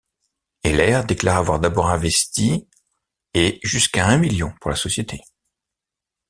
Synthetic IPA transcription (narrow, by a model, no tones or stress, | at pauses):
elɛʁd̪eklaʁavwaʁd̪abɔʁɛ̃vɛst̪i | eʒyskaɛ̃miljɔ̃puʁlasɔsjet̪ʰe